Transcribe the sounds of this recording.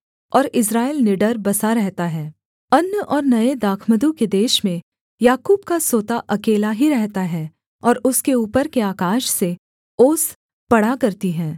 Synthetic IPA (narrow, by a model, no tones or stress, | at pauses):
ɔːɾɪs̬ɾaːelnɪɖəɾbɐsaɾɛɦt̪aɦɛː | ɐnjəʔɔːɾnɐed̪aːkʰməd̪ũked̪eːʃmẽ | jaːkuːbkasoːt̪aʔɐkeːlaɦiɾɛɦt̪aɦɛː | ɔːɾʊskeuːpəɾkeaːkaːʃse | oːs | pɐɽakɐɾt̪iɦɛ̃ː